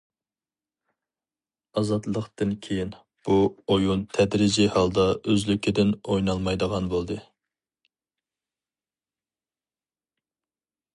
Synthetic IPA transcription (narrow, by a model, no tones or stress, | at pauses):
ɑzɑt̪lˠəqt̪ɨnkʲʰejin | b̥uojunt̪ʰɛd̪ɾɪd͡ʒihɑlˠd̪ɑøzlykʲʰɪd̪ɪnojnɑlˠmɑjd̪əʁɑnbolˠd̪ɨ